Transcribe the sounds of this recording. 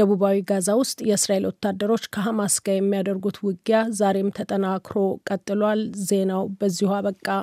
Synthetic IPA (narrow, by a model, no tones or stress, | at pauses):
əβuβawiɡazawʊst̪ʼjɛɨsɾae̞lwɔt̪ːad̪ːəɾo̞t͡ʃːkʰəɦamasɡajɛmːijad̪əɾɡut̪wʊɡjazaɾe̞mt̪ʰət̪ʼənakɾo̞kʼət̪ʼːɨlwalze̞nawbəzːihaβəkʼːa